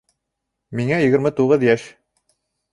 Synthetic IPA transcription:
miŋæjɘ̆ɡɘ̆ɾmɘt̪uʁɤðjæʃ

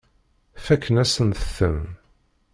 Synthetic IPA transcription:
fækːənæsənt̪əθə̰m

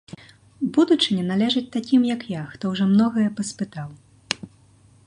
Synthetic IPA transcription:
bud̪ut͡ʂɨnʲɛnalʲɛʐɨt͡sʲt̪akʲimjɐkjaxt̪ɔwʐɔmnɔɣɐjɛpɐspɨt̪aw

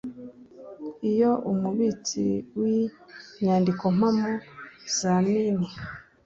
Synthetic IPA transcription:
ijo̞ʔumuβit͡sḭwiɲaːndiko̞m̥amoz̥amini

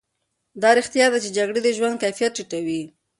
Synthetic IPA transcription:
d̪ɑɾixt̪jɑd̪at͡ʃed͡ʒaɡɽed̪əʒwand̪̚kajfijat̪̚t͡ʃiʈawi

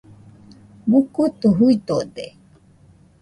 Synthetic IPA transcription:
bukut̪uɦuit̪od̪e

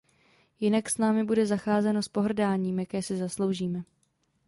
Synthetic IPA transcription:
jɪnaksnaːmɪbudɛzaxaːzɛno̞spo̞ɦr̩daːɲiːmjakɛːsɪzaslo̞wʒiːmɛ

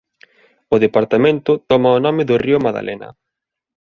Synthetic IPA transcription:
ʊðepaɾt̪amẽnt̪ʊt̪ɔmɐonɔmɪðʊriʊmaða̰lʔenɐ̰

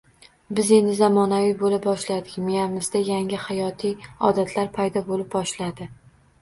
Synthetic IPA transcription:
bɪze̞nɪzamɒnavijbolɪp̚bɒʃlad̪ɪkʲmejamɪzd̪ajaŋɪhajɒt̪ʰijɒ̰d̪at̪ʰlaɾpʰajd̪ɒbolɪp̚bɒʃlad̪ɪ

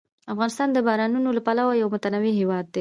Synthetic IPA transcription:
afɣɑnɪst̪ɑnd̪əbɑɾɑnunolapalawajawmʊt̪anawiɦewɑd̪̚ːe

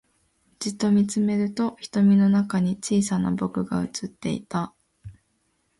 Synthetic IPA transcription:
d͡ʑit̪ːo̞mʲit͡sɨme̞ɾɯ̟t̪o̞çi̥t̪o̞mʲino̞nakaɲ̟it͡ɕiːsana̰bo̞kɯ̟ɡa̰ɯ̟̰t͡sɨt̪ːe̞ḭt̪a

